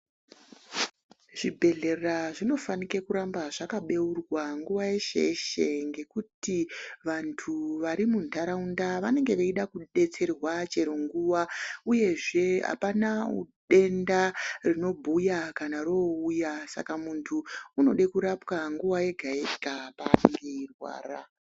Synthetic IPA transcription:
ʐ̥ibʱe̞ɮe̞rraʐino̞fanikekuɾambaʐakaɓe̞urwaŋɡuʋajeʃe̞̰ʃe̞ŋɡe̞kutiʋantʰuʋaɾimuntʰaɾaundaʋane̞ŋɡe̞ʋeiɗakuɗe̞t͡se̞rwat͡ʃe̞ɾoŋɡuʋauje̞ʐe̞a̰panaṵɗe̞ndarino̞bʱujakanaɾoujasa̰kamuntʰuːno̞ɗe̞kuɾapkaŋɡuwaje̞ɡʱaeɡʱapaːneŋɡe̞irwa̰ːra̰

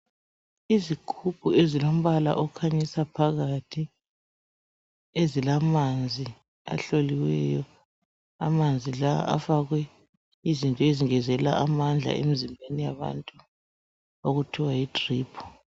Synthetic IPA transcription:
izikʰup̚ʰuezilom̩βala̰ʔɔkʰaɲisapʰaɣatʰi | ezilamand͡zʱi | a̰ɬoliwɛ̰jɔ | a̰mand͡zʱila̰ʔa̰faɣwɛ | izintʼɔeziŋɛzɛla̰ʔamand͡ɮʱa̰ḛmizimbʱenijaβa̰ntʼu | oɣutʰiwajitʼriːpʰɔ̥

